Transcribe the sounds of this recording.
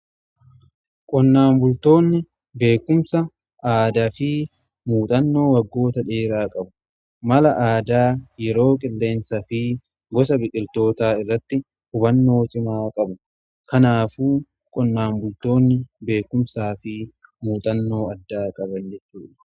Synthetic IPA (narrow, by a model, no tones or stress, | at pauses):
kʼɔnːaːmbʊlt̪o̞ːnːɪ | be̞ːkːʊmsɐ | aːd̪ɐfiː | muːt̪ʼɐnːo̞ːwɐɡːo̞ːt̪ɐᶑeːɾaːkʼɐbʊ̥ | mɐlɐʔaːd̪aːjɛɾo̞ːkʼɪlːe̞ːnsɐfiː | ɡɔsɐbɪkʼːɪlt̪o̞ːt̪aːɪrːɐt̪ːɪ | hʊbɐnːo̞ːt̪ɪmaːkʼɐbʊ | kɐnaːfuː | kʼɔnːaːmbʊlt̪o̞ːnːɪbe̞ːkːʊmsaːfiːmuːt̪ʼɐnːo̞ːɐd̪ːaːkʼɐbɐnd͡ʒɛt͡ʃːuːᶑɐ̥